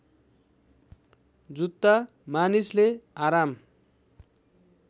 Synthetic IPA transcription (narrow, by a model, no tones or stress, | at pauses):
d͡zut̪ːa | manisleaɾam